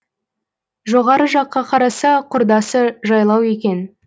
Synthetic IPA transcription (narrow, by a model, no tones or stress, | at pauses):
ʒo̞ʁɑɾəʒɑqːɑqʰɑɾɑsɑqʰʊɾd̪ɑsəʒɑjlˠɑwe̞k̬ʲe̞n